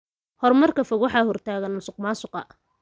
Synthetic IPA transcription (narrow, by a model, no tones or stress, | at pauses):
hɔrmɐrkʰɐfɔɣwɑħɑːhɔrt̪ʰaːɣɐnːʊsʊqmaːsʊqɑ̰